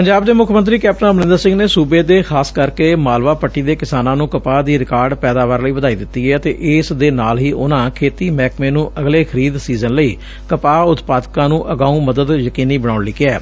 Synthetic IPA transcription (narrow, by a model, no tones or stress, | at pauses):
pəɲd͡ʒaːbd̪eːmʊkʰmə̃nt̪ɾiːkɛːp̚ʈənabənɪ̃nd̪əɾsɪ̃ŋɡneːsuːbeːd̪eːxʰaːskəɾkeːmaːlʋaːpəʈːiːd̪eːkɪsaːnãːnũːkəpaːd̪iːɾɪkaːɾɖpɛːd̪aːʋaːɾləiːʋəd̪aːiːd̪ɪt̪ːiːɛːət̪ḛːʔɪsd̪eːnaːlɦiːʔʊnãːkʰeːt̪iːmɛːkmẽːnũːʔəɡleːkʰəɾiːd̪siːzənləiː | kəpaːʊt̪paːd̪kãːnũːʔəɡaːũːməd̪əd̪jəkiːniːbəɽ̃ãːʊɳliːkɪɛː